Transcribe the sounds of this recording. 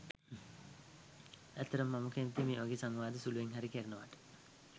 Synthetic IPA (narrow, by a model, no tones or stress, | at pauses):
æt̪ːəɾəmːaməkæʋit̪imeːʋaɡeːsaŋʋaːd̪əsuluʋeŋɦaɾikeɾənəʋaʈə̥